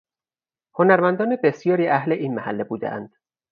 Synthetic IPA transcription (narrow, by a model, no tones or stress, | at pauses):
ho̞næɾmænd̪ɒːnebe̞sjɒːɾiːʔæhleʔiːnmæhælːebuːd̪ḛʔæ̰nd̪̥